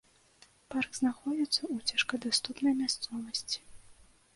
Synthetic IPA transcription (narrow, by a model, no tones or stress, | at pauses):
parɡznaxɔd͡zʲit̪sːɐut͡sʲaʂkɐd̪ast̪upnɐjmʲast̪sɔvɐsʲt͡sʲi̥